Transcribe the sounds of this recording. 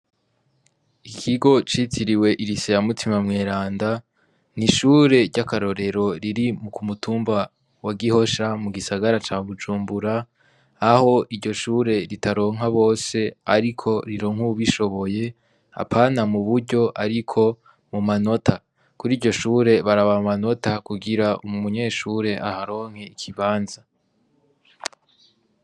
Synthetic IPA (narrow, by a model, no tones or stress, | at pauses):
ikʰiɡo̞t͡ʃitʰiɾiwe̞ʔiɾisejamutʰimamŋeːɾaːnda | niʃuːɾe̞ɾɟakaɾo̞ɾe̞ɾo̞ɾiɾimukumutʰuːmba | waɡiho̞ʃamuɡisaɡaɾat͡ʃaːβud͡ʒuːmbuɾaː | ho̞ʔiɾɟo̞ʃuːɾe̞ɾitʰaɾo̞ːŋɦaβo̞ːse̞a̰ɾikʰo̞ɾiɾo̞ːŋ̥huβiʃo̞βo̞je̞ | a̰pʰaːnamuβuɾɟo̞ʔaɾikʰo̞ | mumano̞tʰa | kuɾiːɾɟo̞ʃuːɾe̞βaɾaβamumano̞takuɡiɾaʔumuɲe̞ːʃuːɾe̞ʔahaɾo̞ːŋ̥he̞ikʰiβaːnza